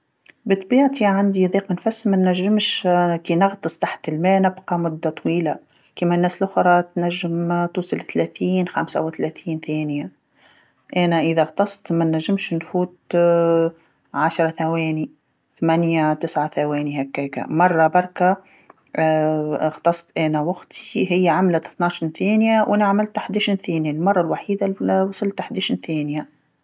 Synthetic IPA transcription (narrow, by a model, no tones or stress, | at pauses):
bət̪ˤbiːʕt̪iʕand̪iðˤiːqmɪnfæsːmænːæʒːɪmʃkiːnɑɣt̪ˤɨsˤt̪aħt̪ɪlmæːnɪbqɑmʊd̪ːat̪ˤwiːla | kiːmænːæːslʔʊxɾˤɑt̪næʒːɪmt̪uːsˤɑlθlæθiːnxamsa̰wɪθlæθiːnθæːnja | ʔænæʔəðæɣt̪ɑsˤt̪mænːæʒːɪmʃnfuːt̪ | ʕaʃɾˤɑθæwɛːni | θmænjat̪ɪsʕaθæwɛːnihækːæːka̰mɑrˤːɑbɑɾˤka | ɣt̪ˤɑsˤt̪ʔænæwaɡt̪ʰi̥ɦɪjːaʕamlat̪ɪθnaːʃinθæːnjawʔɪnaʕmɪlt̪aħd̪æʃnθɛːnjalmɑrˤːɑlwaħiːd̪awɑsˤɨlt̪aħd̪æʃinθæːnja